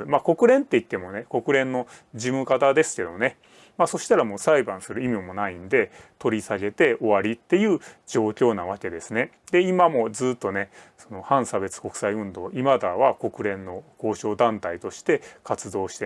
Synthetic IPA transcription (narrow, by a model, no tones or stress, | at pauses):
mako̞kɯ̟ɾẽ̞nt̪ːe̞it̪ːe̞mo̞ne̞ko̞kɯ̟ɾẽ̞nːo̞d͡ʑimɯ̟kat̪ad̪e̞sɨ̥ke̞d̪o̞ne̞ | maso̞ɕi̥t̪aɾamo̞ːsaibãɰ̃sɨɾɯ̟imʲiomo̞naĩnd̪e̞t̪o̞ɾʲisaɡe̞t̪e̞o̞βaɾʲit̪ːe̞jɯ̟ːd͡ʑo̞ːkʲo̞ːnaβ̞ake̞d̪e̞sɨne̞ | d̪̥e̞imamo̞d͡zɨːt̪ːo̞ne̞ | so̞no̞hãɰ̃sabe̞t͡sɨ̥ko̞kɯ̟̥saiɯ̟̃nd̪o̞ːʔimad̪aβako̞kɯ̟ɾẽ̞nːo̞ko̞ːɕo̞ːd̪ãnt̪ait̪o̞ɕi̥t̪e̞kat͡sɨd̪o̞ːɕi̥t̪e